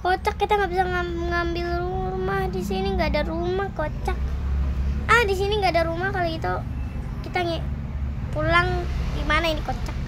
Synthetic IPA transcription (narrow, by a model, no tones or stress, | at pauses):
kot͡ʃakːit̪aŋɡabisaŋa | ŋambɪlrumahdisiniŋɡaːdaɾumahkot͡ʃak̚ | ahdis̬iniŋɡaːdaɾumahkaloɡit̪u | kit̪aŋɛ | pulaŋdimanaindikot͡ʃak̚